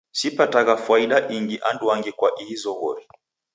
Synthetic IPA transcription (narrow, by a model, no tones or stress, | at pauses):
sipataɣafuaiɗaʔiŋɡiʔanduaŋɡikwaʔiizɔɣɔ̰ɾi